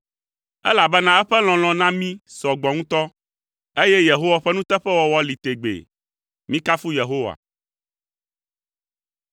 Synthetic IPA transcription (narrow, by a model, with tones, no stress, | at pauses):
ɛ̰˦la˨bɛ˦nã˦ɛ˦ɸɛ˦l̃ɔ̃˨l̃ɔ̃˨nã˦mĩ˦sɔ˨ɡ͡bɔ˨ŋũ˦t̪ɔ˦ | e˦jɛ˦je˨ɦo˦wa˨ɸɛ˦nũ˦t̪ɛ˦ɸɛ˦wɔ˦wɔ˦li˨t̪e˨ɡ͡bḛ˨ | mĩ˦ka˦fu˦je˨ɦo˦wa̰˨